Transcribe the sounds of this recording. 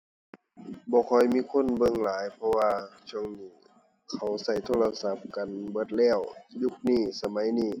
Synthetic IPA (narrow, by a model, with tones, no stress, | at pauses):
bɔː˨˧˦kʰɔ˧˩jmiː˧˥˨kʰo˧˥˨nbɤ˧˨ŋlaː˨˦jpʰɔ˧waː˧t͡ɕʰu˧˩ə˨ŋniː˧˩ | kʰa˨˩wsa˧˩jt̪ʰoː˧˨la˧sa˧˦p̚ka˨nbɤ˧˦t̪̚lɛː˧˩˨wju˧˥˩k̚niː˧˩sa˧ma˨˦jniː˧˩